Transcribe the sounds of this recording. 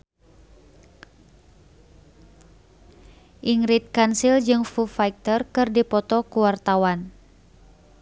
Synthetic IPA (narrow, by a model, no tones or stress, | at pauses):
ʔiŋɾit̪̚kansild͡ʒɨŋfufajk̚t̪ərkɨrdipɔt̪ɔkuwart̪awan